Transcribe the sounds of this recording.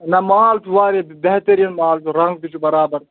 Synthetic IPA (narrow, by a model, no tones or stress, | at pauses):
nɐmaːlt̪ʰuʋaːɾebeɦt̪ɐɾiɐnmaːlt̪ʰuɾɐŋɡbit͡ʃʰubɐɾaːbɐɾ